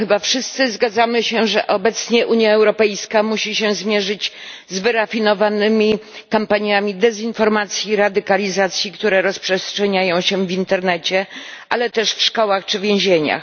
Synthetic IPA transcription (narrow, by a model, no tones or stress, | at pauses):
xɘbafʂɘst̪sɘzɡad̪zamɘɕɛʐɛʔɔbɛt̪sɲɛʔuɲjaɛwɾɔpɛjskamuɕiɕɛzmʲjɛʐɘd͡ʑzvɘɾafʲinɔvanɘmʲikampaɲjamʲid̪ɛzinfɔɾmat̪sʲjiɾad̪ɘkalʲizat̪sʲjikt̪uɾɛɾɔspʂɛstʂɛɲajɔ̃w̃ɕɛvʲint̪ɛɾnɛt͡ɕɛʔalɛt̪ɛʂfʂkɔwaxt͡ʂɘvʲjẽw̃ʑeɲa̰x